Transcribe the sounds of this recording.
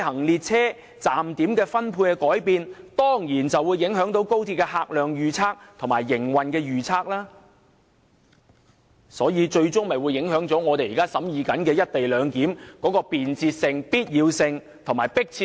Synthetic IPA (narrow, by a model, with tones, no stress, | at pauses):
ɦɐ˨˩ŋliː˧t̚t͡sʰɛː˥ | t͡saː˨mt̪iː˨˥mkɛː˧fɐ˥npʰuː˧nkɛː˧kɔː˨˥jpiː˨nt̪ɔː˥ŋjiː˨˩nt͡sɐ˨wuː˨˧jːɪ˨˥ŋɦœː˨˥ŋt̪o˨˥wko˥wt̪ʰi˧p̚kɛ˧ɦaː˧k̚lœː˨˩ŋjyː˨t͡sʰaː˥k̚t̪ʰʊ˨˩ŋmaː˨˩jːɪ˨˩ŋwɐ˨nkɛː˧jyː˨t͡sʰaː˥k̚laː˥ | sɔː˨˥jiː˧t͡ʃɵ˧ɥt͡sʊ˥ŋmɐ˨jwu˨˧jːɪ˨˥ŋɦœː˨˥ŋt͡sɔː˨˥ŋɔː˨˧t̪e˨jiː˨˩kaː˥sɐ˨˥mjiː˨˧kɐ˨˥nkɛː˧jɐ˥t̚t̪e˨jlœː˨˧ŋkiː˨˥mkɔː˨˥kɔː˧piː˨nt͡siː˧t̚sɪ˧ŋpiː˥t̚jiː˨˧wsɪ˧ŋ | t̪ʰʊ˨˩maː˨˩jpɪ˥k̚t͡sʰiː˧